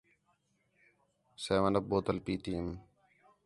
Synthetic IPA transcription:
seːʋənəp̚boːt̪əlpiːt̪iːm

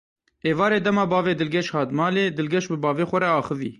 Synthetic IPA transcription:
eːvɑːɾeːd̪ɛmɑːbɑːveːd̪ɨlɡʲɛʃhɑːd̪mɑːleːd̪ɨlɡʲɛʃbɨbɑːveːxʷɛɾɛɑːxɨvḭː

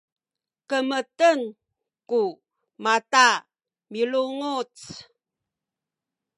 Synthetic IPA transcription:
kəmətən | ku | mata | miluŋut͡s

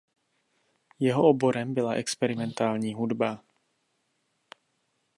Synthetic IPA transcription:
jɛɦoʔobo̞ɾɛmbɪlaʔɛkspɛɾɪmɛnt̪aːlɲiːɦudba

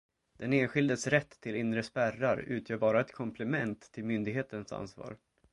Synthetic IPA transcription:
d̪̥ɛneːnɧɪld̪əsɾɛt̪ʰːɪlɪnɾəspærːaɾʉ̟ːt̪ʰjœːɾbɑːɾaɛt̪kʰɔmpʰlɛmɛnt̪ʰːɪlmʏnd̪ɪɡɦeːt̪ənsa̰nsvɑ̰ːɾ

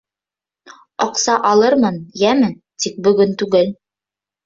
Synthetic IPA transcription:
ɑqsɑʔɑlˠɤɾmɤnjæmɘ | t̪ik̚bɵ̆ɡɵnt̪ʉɡɘl

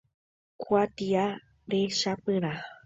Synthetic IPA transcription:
kʷat̪ia | ɾeʃapɨ̃ɾ̃a

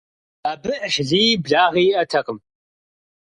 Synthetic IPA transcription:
abɨʕʃziːbɮaːʁiːɐtʰɐqʼəm

